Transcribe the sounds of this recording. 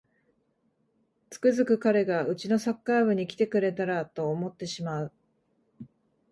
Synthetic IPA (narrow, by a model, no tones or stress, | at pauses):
t͡sɨ̥kɯ̟zɨkɯ̟kaɾe̞ɡaɯ̟t͡ɕino̞sakːaːβɯ̟ɲ̟ikʲi̥t̪e̞kɯ̟ɾe̞t̪aɾat̪o̞ːmo̞t̪ːe̞ɕimaɯ̟